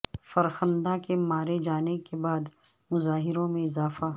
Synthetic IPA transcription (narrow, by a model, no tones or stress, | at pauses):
fɐɾxə̃nd̪akemaːɾed͡ʒaːnekebaːd̪ | mʊzaːɦɪɾõmẽɪzaːfa